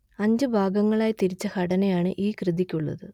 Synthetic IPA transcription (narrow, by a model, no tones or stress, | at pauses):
ɐɲd͡ʑɨbʱaːɡɐŋːɐɭaːjt̪iɾit͡ɕːɐhɐɽɐnejaːɳɨ̰ʔiːkrɨðikʲːuɭːɐ̰ðɨ